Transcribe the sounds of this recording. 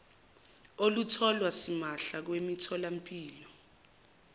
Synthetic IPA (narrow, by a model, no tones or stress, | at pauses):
olutʰɔlwasimaɬak̬wemitʰɔlampʼiːlɔ